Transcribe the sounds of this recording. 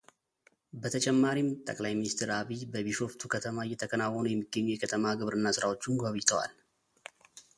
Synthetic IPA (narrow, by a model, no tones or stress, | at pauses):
bət̪ʰət͡ʃʼɛmːaɾimt̪ʼə̰kʼlajminist̪ɾaβibəβiʃo̞ft̪ʰukʰət̪ʰəmajɛt̪ʰəkʰənawːɔnujɛmːiɡːəɲːujɛkʰət̪ʰəmaɡɨβɾɨnːasɨɾawo̞t͡ʃːunɡaβɨjt̪ʰəwa̰l